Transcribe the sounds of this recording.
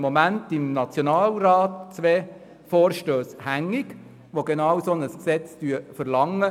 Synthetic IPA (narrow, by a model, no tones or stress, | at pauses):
momæntɪmnɑt͡sjonɑːlrɑːtt͡sʋɛː | fɔːɾʃtøːshæŋːiɡ | ʋoɡenɑwsonəsksɛt͡styəfəɾlɑŋə